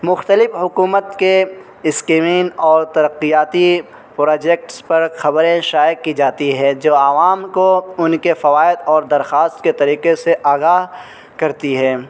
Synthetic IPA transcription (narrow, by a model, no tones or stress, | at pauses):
mʊxt̪əlɪfɦʊkuːmət̪ke | ɪskeːmiːnɔːɾt̪ɐɾəqːijaːt̪i | pɾoːd͡ʒɛːk̚ʈspɐɾxɐbɾẽʃaːjəkːid͡ʒaːt̪iɦɛ̃ːd͡ʒoːaʋaːmkoʊnkefɐʋaːɪd̪ɔːɾd̪ɐɾxaːst̪ket̪ɐɾiːqeseʔaːɡaːɦ | kɐɾt̪iɦɛː